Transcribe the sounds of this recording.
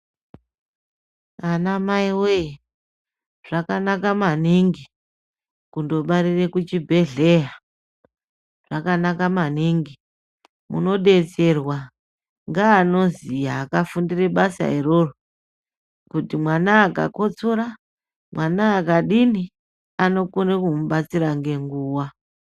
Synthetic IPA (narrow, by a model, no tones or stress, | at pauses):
anamaiwoje | ʐ̥akanakamaniŋɡi | kundo̞ɓaɾire̞kut͡ʃibʱe̞ɮe̞ɦa | ʐ̥akanakamaniŋɡi | mṵno̞ɗe̞t͡se̞rwa | ŋɡaːno̞zijaːkafundire̞ɓasa̰iro̞ro | kutimwanaːka̰ko̞t͡soɾa | mwʔanaːkaɗini | ano̞kunekumuɓat͡siɾaŋɡe̞ŋɡuːwa